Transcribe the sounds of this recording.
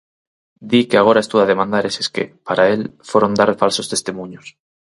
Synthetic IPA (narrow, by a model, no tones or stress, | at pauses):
d̪ikeaɣ̞o̞ɾae̞st̪uaðe̞mãnd̪aɾeseske̞̰paɾae̞lfeɾond̪aɾfalso̞st̪e̞st̪imũɲos